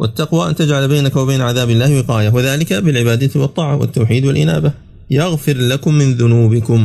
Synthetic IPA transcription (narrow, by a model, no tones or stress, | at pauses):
wʔa̰t̪ːaqwaːʔa̰nt̪ad͡ʒʕalbajnakawabajnaʕaðaːbɪlːaːhwɪqɑːjawaðaːlɪkabɪlʕɪbaːd̪awɑt̪ˤːɑːʕawa̰t̪ːawħiːd̪walʔɪ̰na̰ːba | jaɣfɪɾlakʊmːɪnðʊnuːbɪkʊm